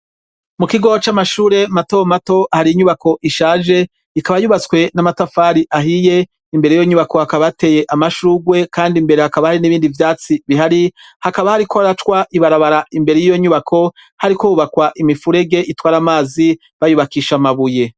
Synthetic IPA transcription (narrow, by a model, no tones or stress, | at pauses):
mukiɡo̞t͡ʃamaʃuːɾe̞mato̞mato̞ahaɾiiɲuβako̞ʔiʃaːʒe̞ | ikaβajuβat͡swe̞namatafaːɾiʔaɦije̞ | imbe̞ɾejjoɲuβako̞hakaβaate̞ːje̞ʔamaʃuːɡwe̞kʰaːndimbe̞ɾe̞hakaβahaɾiniβiːndivjaːt͡siβiɦaɾihakaβahaɾikoaɾatwaʔiβaɾaβaɾaimbe̞ɾe̞jijo̞ɲuβakʰo̞ | haɾikouβakwaʔimifuɾe̞ɡe̞ʔitwaːɾamaːzi | βajuβakiːʃamaβuje̞